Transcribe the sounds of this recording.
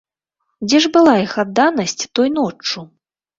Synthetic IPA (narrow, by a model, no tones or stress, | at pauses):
d͡zʲɛʐbɨlˠajixad̪ːanɐsʲt͡sʲt̪ɔjnɔt͡ʂːu